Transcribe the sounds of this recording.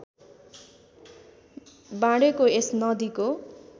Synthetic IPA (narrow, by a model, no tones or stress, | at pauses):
bãɽekoesnʌd̪iko